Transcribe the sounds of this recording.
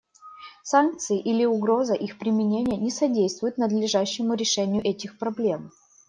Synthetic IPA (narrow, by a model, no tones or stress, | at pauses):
sank̚t̪sɨɪʔilʲɪʊɡɾo̞zəʔixpɾʲɪmʲɪnʲenʲɪjənʲɪsɐdʲejst̪vʊjʊt̪nəd̪lʲɪʐaɕːɪmʊɾʲɪʂɛnʲɪjʊʔɛtʲɪxpɾɐblʲe̞m